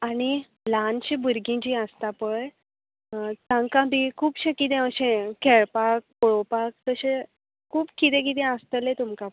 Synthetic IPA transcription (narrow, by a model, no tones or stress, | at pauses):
aɽ̃i | lant͡ɕibuɾɡĩɲt͡ɕiəst̪apəɭ | t̪ãŋkabʱikʰuːpɕẽkit̪ẽəɕẽkʰɛɭpak̚pɔɭopak̚t̪əɕẽ | kʰuːbkit̪ɛ̃k̬it̪ẽəst̪əlẽt̪umkap